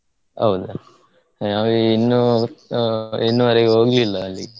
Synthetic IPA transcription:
ɐ̰wd̪u | naːʋeːnːu | enːuʋɐɾɛɡeɦoːɡlilːɐːlːiɡe

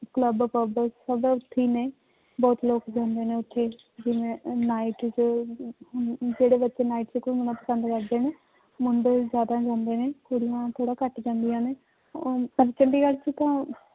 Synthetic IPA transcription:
kləbpəbəsəbaːʊt̪ʰːiːneː | bɔːt̪loːkd͡ʒãːnd̪eːneːʊt̪ʰːeː | d͡ʒɪʋẽːnaːiʈt͡ʃ | d͡ʒeːɽeːbətːʃeːnaːiʈt͡ʃekʊmənãːpəsənd̪kəɾd̪eːneː | mʊnd̪d͡ʒjaːd̪ãːd͡ʒãːnd̪eːneːkʊɽijãːt̪ʰoːɽaːkəʈd͡ʒãːnd̪ijãːneː | əɾt͡ʃəɳɖiːɡəlt͡ʃət̪ãː

